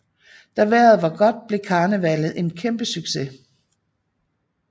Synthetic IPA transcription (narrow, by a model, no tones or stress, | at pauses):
d̥æʋæɐð̩ˠʋɑ̈ɡ̥ɒ̽d̥̚b̥le̝kʰɑ̈ːnəʋælð̩ˠe̝nkʰemb̥əsyɡ̥se̝